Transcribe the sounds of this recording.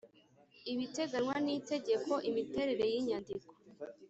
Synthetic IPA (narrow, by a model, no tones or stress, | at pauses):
iβite̞ɡanwanite̞ɟe̞ko̞ʔimite̞ɾe̞ɾe̞jiɲandiko̥